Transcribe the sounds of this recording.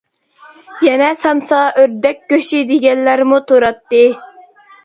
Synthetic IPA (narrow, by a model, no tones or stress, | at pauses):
jɛnɛsɑmsɑʔøɾd̪ɛk̚ʲkʲːøʃid̪eɡʲɛnlːæɾmut̪ʰoɾɑt̪ːɨ